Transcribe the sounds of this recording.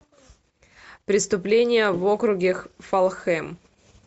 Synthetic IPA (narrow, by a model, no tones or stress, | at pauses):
pɾʲɪst̪ʊplʲenʲɪjəvokɾʊɡʲɪxfɐlˠxɛm